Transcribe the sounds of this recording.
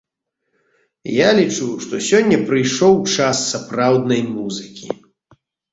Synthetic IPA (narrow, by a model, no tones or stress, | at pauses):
jalʲit͡ʂuʂt̪ɔsʲɔnʲːɐpɾɨjʂɔwt͡ʂasːapɾawd̪nɐjmuzɨkʲḭ